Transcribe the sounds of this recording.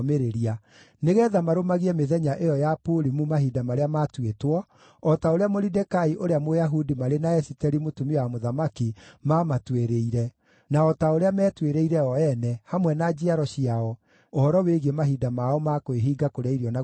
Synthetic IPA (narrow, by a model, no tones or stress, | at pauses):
meɾeɾia | neɣɛːðamaɾomaɣiɛmeðɛɲaʔejɔjapoɾimumaɦidamaɾeamatwetwɔ | ɔtaoɾeamoɾidɛkaiʔoɾeamojaɦudimaɾenaɛsitɛɾimotumiwamoðamakimamatweɾeiɾɛ | naɔtaoɾeamɛːtweɾeiɾɛɔɛnɛhamwɛnad͡ʒiaɾɔɕiaɔ | ohɔɾɔweɣemaɦidamaɔmakoeɦiːɡakoɾaiɾjɔna